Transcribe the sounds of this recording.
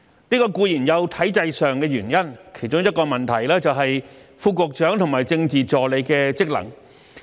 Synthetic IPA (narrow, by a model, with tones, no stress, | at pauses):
niː˥kɔː˧kuː˧jiː˨˩njɐ˨˧wt̪ʰɐ˨˥jt͡sɐ˧jsœː˨˧ŋkɛː˧jyː˨˩njɐ˥nkʰe˨˩jt͡ʃʊ˧˥ŋjɐ˥t̚kɔː˧mɐ˨nt̪ʰɐ˨˩jlɛː˥t͡sɐ˨wɦɐ˨j | fuː˧kʊ˨k̚t͡ʃœː˨˥ŋt̪ʰʊ˨˩maː˨˩jt͡sɪ˧ŋt͡siː˨˩t͡sɔː˨˩le˨˧jkɛː˧t͡sɪ˥k̚lɐ̰˨˩ŋ